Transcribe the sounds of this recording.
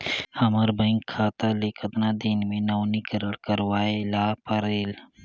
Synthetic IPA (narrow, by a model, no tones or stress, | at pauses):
hɐməɾbɐ̃ɪŋkʰːaːt̪alekʰət̪nad̪ɪnmẽnɐːnikəɾəɽkəɾwaːelaːpəɾeːl